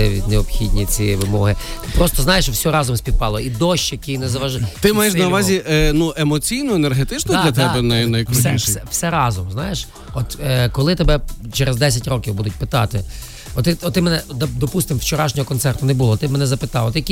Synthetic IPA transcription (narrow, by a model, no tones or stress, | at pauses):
ɪ̰neɔpxʲidʲnʲit͡sʲiʋɪmɔɦɪt̪ɪpɾɔst̪ɔznɑjeʃwsʲɔɾɑzɔmsʲpʲid̪̚pɑlˠɔid̪ɔʃt͡ʃɐkijnɛzɐʋɐʒt̪ɪmajɛʃnɐʋɑzʲiʔnuʔemɔt͡sʲijnʊenerɦet̪ɪt͡ʃnɔd̪lʲɐt̪ɛbɛnɐnɐjɐksɛsɛwsɛɾɑzɔmznɑjeʃ | ɔt̪ːkɔlˠɪt̪ebɛt͡ʃɛɾʔezd̪ɛsʲɐtʲrɔkʲiwbud̪ʊtʲpɪt̪ɑt̪ɪ | ɔt̪ːɪɔt̪t̪ːɪmɛnɛd̪ɐd̪ɔpust̪ɪmwt͡ʃɔɾɑʃnʲɔɦɔkɔnsɛrt̪ʊnebuʊlˠɔt̪ɪbmɛnɛzɐpɪt̪ɑwˠt̪ɪjɐkʲi